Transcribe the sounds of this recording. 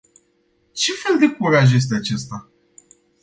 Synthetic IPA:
t͡ʃe̞fe̞ld̪ekuɾaʒje̞s̬t̪eat͡ʃe̞st̪a

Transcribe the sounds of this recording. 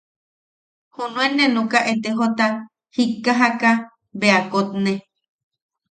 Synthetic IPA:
hunũenːenukaʔet̪eɦot̪a | hikːaɦaka | beakot̪̚ne

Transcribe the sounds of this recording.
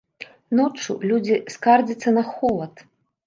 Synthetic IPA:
nɔt͡ʂṵlʲud͡zʲiskard͡zʲit̪sːɐnɐxɔlˠɐt̪

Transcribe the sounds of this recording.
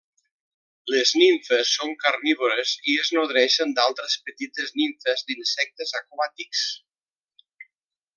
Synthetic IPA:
lezniɱfəsːoŋkarniβoɾezieznoðɾɛʃənd̪alˠt̪ɾəspət̪it̪əzniɱfəzd̪insɛk̚t̪əzakuβat̪iks

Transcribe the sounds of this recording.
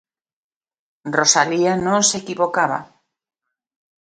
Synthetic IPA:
rrosalianõŋsekiβokaβa̰

